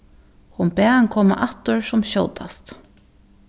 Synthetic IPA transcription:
hʊnbɛːaŋkʰɔːma̰ʔaht̪ʊɹsʊmɕo̰wt̪ast̪

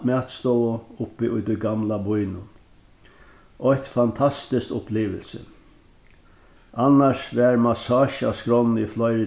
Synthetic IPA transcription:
maːt̪st̪ɔwʊʊpːɪʔʊjt̪ʊjɡamlabʊjnʊn | ʔɔht̪fant̪ʰast̪ɪst̪ʊpliːʋə̰lsɪ̰ | ʔanːaʂvɛɾmasaːʃa̰skɾɔnːiflɔjɾɪ

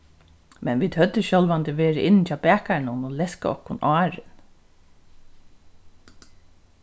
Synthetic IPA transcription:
mɛnʋiːd̪hœt̪ːəɕœlʋant̪ɪʋeːɾɪʔɪnːt͡ʃaːpæːhkaɾnʊnʊlɛska̰ɔ̰hkʊnʔɑːɹɪn

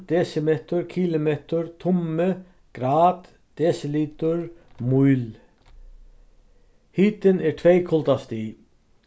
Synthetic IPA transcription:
d̪̥ɛːsɪmeːt̪ʊɾkʰiːlɪmeːt̪ʊɾt̪ʰʊmɪ | ɡ̥ɾaːt̪ | d̪̥ɛːsɪliːt̪ʊɹmujl | hiːt̪ɪnɛɾʈ̪ʰvejkʰʊlt̪ast̪iː

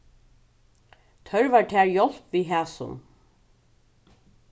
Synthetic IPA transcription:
t̪ʰœɹvaːɹʈʰæːɹjɔl̥pviːɦæːsʊ̰n

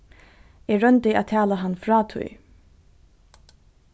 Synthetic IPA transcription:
ɛɹœnt̪ɪæ̰ːt̪ʰæːlaɦanːfɾɑːt̪ʰṵj

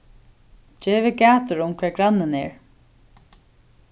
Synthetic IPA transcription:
d͡ʒeːʋɪɡæːt̪ʊɹʊmkʰv̥ɛːɹɡɹanːɪnɛɹ

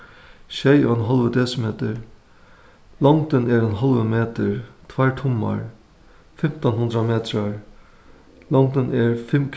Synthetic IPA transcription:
ʃɛjɔɛnɦɔlʋəd̪ɛsmeːt̪əɹ | lɔŋt̪ɪnɛɾɛnɦɔlʋəmeːt̪əɹt̪ʰʋaɹʈ̪ʰʊmːa̰ɹ | fɪm̥t̪ɔnɦʊnd̪ɾameːt̪ɾaɹ | lɔŋt̪ənʔɛɹfɪmkʰ

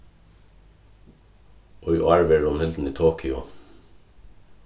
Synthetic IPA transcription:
ʔɔʏ̰ɑːɹʋeːɖɔmhɪld̪n̩iːt̪ʰoːkʰʏʊ̰

